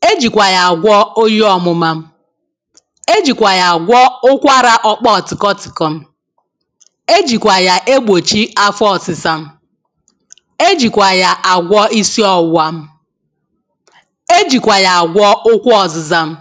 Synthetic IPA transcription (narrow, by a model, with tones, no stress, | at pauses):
e˦d͡ʒi˨kʷa˨ja˨a˨ɡʷɔ˦o˦jɔ˨mʊ˦ma˦m̩˦ | e˦d͡ʒi˨kʷa˨ja˨a˨ɡʷɔ˦ʊ˦kʷa˦ɾa˦ʔɔ˦k͡pɔ˦ɔ˨tɪ˨kɔ˦tɪ˨kɔ˦m̩˦ | e˦d͡ʒi˨kʷa˨ja˨ʔe˦ɡ͡bo˨t͡ʃi˦a˦fɔ˨sɪ˨sa˦m̩˦ | e˦d͡ʒi˨kʷa˨ja˨ʔa˨ɡʷɔ˦i˦si˦ɔ˦wa˦m̩˦ | e˦d͡ʒi˨kʷa˨ja˨a˨ɡʷɔ˦ʊ˦kʷɔ˨zɪ˨za˦m̩˦